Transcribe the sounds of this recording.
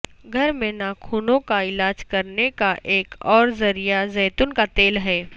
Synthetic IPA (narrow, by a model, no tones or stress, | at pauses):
ɡʱɐɾmẽnakʰuːnõkaɪlaːd͡ʒkɐɾnekaʔeːkɔːɾzɐɾijazɛːt̪ʊnkat̪eːlɦɛː